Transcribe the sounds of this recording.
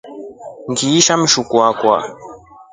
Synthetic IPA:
ŋɡiːʃam̩ʃukwakwa̰

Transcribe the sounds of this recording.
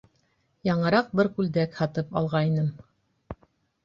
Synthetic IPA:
jɑɴɤ̆ɾɑq̚bɘɾkʉld̪ækhɑt̪ɤpɑ̰lˠʁɑinɘm

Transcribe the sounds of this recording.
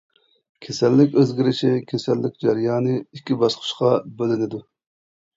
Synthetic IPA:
kʲʰesɛlːɪkʲøzɡʲiɾɪt͡ʃʰɪkʲʰesɛlːɪkʲd͡ʒɛɾjɑːnɨikʲːibɑsqʰʊ̥ʃqɑbølɪnɪd̪u

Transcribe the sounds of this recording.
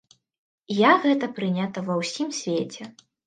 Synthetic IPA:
jaɣɛt̪ɐpɾɨnʲat̪ɐvɐwsʲimsʲvʲet͡sʲɛ

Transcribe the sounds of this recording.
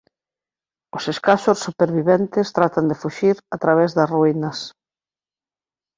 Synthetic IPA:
oseskaʃosːupeɾβiβɛnt̪ɪst̪ɾat̪and̪efuʃiɾat̪ɾaβ̞ɛzðɐsruinɐs

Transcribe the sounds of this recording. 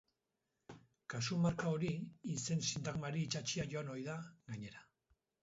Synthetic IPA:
kasumaɾkao̞ɾiːse̞nsint̪aɣmaɾiːt͡ʃat͡ʃiaʝoano̞jðaɡaɲe̞ɾa

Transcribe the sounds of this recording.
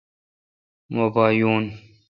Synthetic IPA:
mobaːjuːn

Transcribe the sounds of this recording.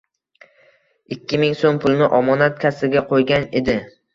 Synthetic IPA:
ɪkʲʰːɪmɪŋsompʰʊlˠnɪʔɒmɒnat̪̚kʲʰasɪɡʲaqʰojɡʲane̞d̪ɪ

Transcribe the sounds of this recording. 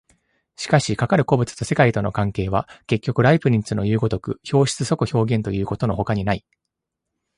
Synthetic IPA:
ɕi̥kaɕikakaɾɯ̟ko̞bɯ̟t͡sɨ̥t̪o̞se̞kait̪ono̞̰kãŋke̞ːβ̞ake̞kʲːo̞kɯ̟ɾaipɯ̟ɾʲĩnt͡sɨno̞jɯ̟ːɡo̞t̪o̞kɯ̟̰ço̞ːɕi̥t͡sɨso̞kɯ̟ço̞ːɡẽ̞nt̪o̞jɯ̟ːko̞t̪o̞no̞ho̞kaɲ̟inai

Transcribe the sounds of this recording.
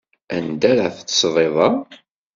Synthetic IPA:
ænd̪æɾaθθə̥sʁˤeðˤɑˤ

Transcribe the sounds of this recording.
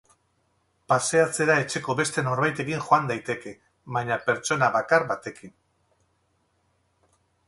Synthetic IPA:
pase̞at͡se̞ɾaet͡ʃe̞ko̞βe̞st̪e̞no̞ɾβajt̪e̞kiŋʝoand̪ajt̪e̞ke̞ | βaɲape̞ɾt͡ʃo̞naβakaɾβat̪e̞kin

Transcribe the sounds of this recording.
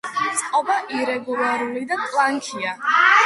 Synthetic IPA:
t̪sʼqʼɔbaʔiɾɛɡulaɾulid̪akʼlˠaŋkʰia

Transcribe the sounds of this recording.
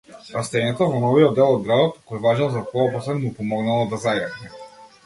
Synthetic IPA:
ɾast̪ɛɲɛt̪ɔvɔnɔviɔd̪ːɛlˠɔd̪̚ɡɾad̪ɔt̪kɔjvaʒɛlˠzakɔɔpɔslɛnmupɔmɔɡnalˠɔd̪azajavnɛ

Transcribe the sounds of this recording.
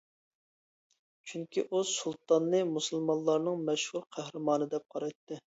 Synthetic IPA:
t͡ʃʰyŋkʲiʔusulˠt̪ɑnːɨmusɨlˠmɑlˠːɑɾnɨŋmɛʃhuɾqʰæhɾɨmɑːnɨd̪ɛp̚qʰɑɾɑjt̪ːɨ

